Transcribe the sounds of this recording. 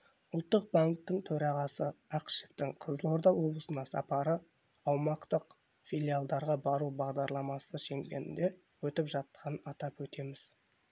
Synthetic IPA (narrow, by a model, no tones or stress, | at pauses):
ʊlˠt̪ːəq̚baŋk̚t̪ːɪŋt̪ʰɵɾɑʁɑsəɑqʃɪ̥pt̪ɪŋqʰəzəlˠo̞ɾd̪ɑwo̞blˠəsənɑsɑ̰pɑɾə | ɑwmɑqt̪əq | fʲilʲijalˠd̪ɑɾʁɑbɑɾubɑʁd̪ɑɾlˠɑmɑsəʃe̞ŋɡʲe̞̰nɪ̰nd̪e̞ | wɵt̪ɪpʒɑt̪̚ːəɑnəɑt̪ɑpwɵt̪e̞mɪz̥